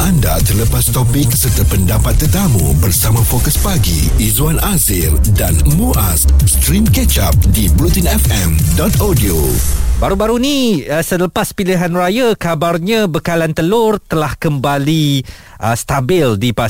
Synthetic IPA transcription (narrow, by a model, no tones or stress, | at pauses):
ʔanda̰t̪ərləpast̪ɔpɪk̚sərt̪əpəndapat̪ːərt̪amṵbərsamãfokəspaɡḭizuanʔazɪldanmuʔasst̪ɾimkɛt͡ʃap̚dibɾut̪inɛfɛmdɔt̪odiobaɾubaɾunĩsələpaspiliɦanrajakabarɲãbəkalant̪əlʊrt̪əlahkəmbali | ʔəst̪abɪldipa